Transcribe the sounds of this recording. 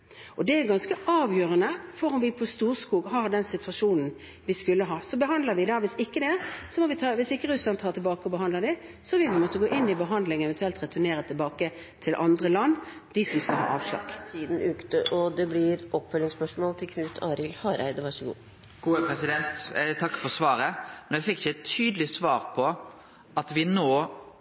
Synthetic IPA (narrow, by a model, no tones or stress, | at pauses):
ʔɔd̪ɛæɾɡɑnskəʔɑːʋjøːɾənəfɔɾɔmʋɪpʰɔst̪uːɾskuːɡɦɑɾd̪ɛnsɪt̪ʰʉɑʂuːnn̩ | ʋɪskʉlːəɦɑːsɔbəɦɑnd̪ləɾʋɪd̪ɑʋɪsɪkːəd̪ɛsɔmɔʋɪt̪ʰɑːʋɪsɪkːəɾʉslɑnt̪ʰɑːt̪ʰɪlbɑːkəɔbəɦɑnd̪ləd̪ɪ | sɔʋɪbmɔt̪ːəɡoːʔɪnːɪbəɦɑnd̪lɪŋɛʋɛnt̪ʉɛlt̪ɾɛt̪ʰʉneːɾət̪ʰɪlbɑːkə | t̪ʰɪlʔɑnd̪ɾəlɑnː | d̪ɪsɔmskɑlɦɑ̰ːʔɑ̰ːʋʂlɑ̰ːɡ̥t̪ʰiːd̪n̩ʉːkt̪əʔɔd̪ɛblɪɾʔɔpːfœlːɪŋspœʂmɔːlt̪ʰɪlkʰʋʉːt̪ʰɑːɾɪlhɑːɾæ̰ɪd̪əʋɑʂəɡṵː | ɡ̥uːəpʰɾɛsɪd̪ɛnt̪t̪ʰɑkːfɔɾsʋɑːɾəmɛnɛɪfɪkːɪçəɛt̪ʰyːd̪əlɪsʋɑːɾpʰɔ | ɑt̪ʋɪnoː